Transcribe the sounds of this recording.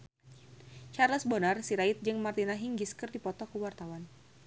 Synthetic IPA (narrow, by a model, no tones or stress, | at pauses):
t͡ʃarləsbɔnarsiɾaɪt̪̚d͡ʒɨŋmart̪inaɦiŋɡiskɨrdipɔt̪ɔkəwart̪awan